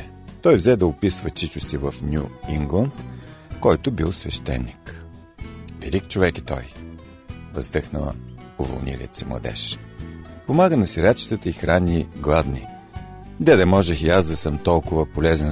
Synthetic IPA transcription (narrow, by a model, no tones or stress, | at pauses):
t̪ɔjvzɛd̪ɐʊpisvət͡ʃit͡ʃʊsivəfnʲjuiŋɡlˠənt̪kɔjt̪ʊbilˠsvɛʃt̪ɛ̰nːik | vɛ̰lʲikt͡ʃovɛki̥t̪ɔ̰j | vəzd̪ɤxnəlˠə̰ʊvo̰lˠnḭlʲḭə̰t̪simlˠɐ̰d̪ɛ̰ʃ | pomaɡənɐsiɾʲat͡ʃi̥t̪ət̪əixɾanʲiːɡlˠad̪ni | d̪ɛd̪ɐmɔʒɛxiazd̪ɐsɤmt̪ɔlˠkʊvəpolɛzɛn